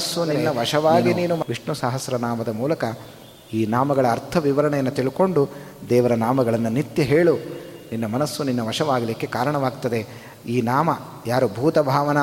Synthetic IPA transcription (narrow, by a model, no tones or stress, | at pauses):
sːuninːɐʋɐʂɐʋaːɡiniːnumʋiʂɳusaːɦɐsɾɐnaːmɐd̪ɐmuːlɐkɐ | iːnaːmɐɡɐɭɐːɾt̪ʰɐʋiʋɐɾɐɳɛjɐnːut̪iɭiko̞ɳɖu | d̪ɛːʋɐɾɐnaːmɐɡɐɭɐnːunit̪jɐɦeːɭu | ninːɐmɐnɐsːuninːɐʋɐʂɐʋaːɡɐlikːe̞kaːɾɐɳɐʋaːɡt̪ɐd̪e̞ | iːnaːmɐ | jaːɾubʱuːt̪ɐbʱaːʋɐnɐ